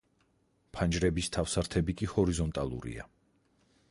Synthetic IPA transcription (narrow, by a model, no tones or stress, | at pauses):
pʰand͡ʒɾɛbist̪ʰafsaɾt̪ʰɛbikʼihɔɾizɔnt̪ʼalˠṵɾḭa̰